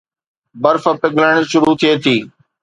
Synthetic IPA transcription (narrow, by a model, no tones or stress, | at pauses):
bəɾfəpɪɡləɽ̃ʃʊɾut̪ʰiet̪ʰiː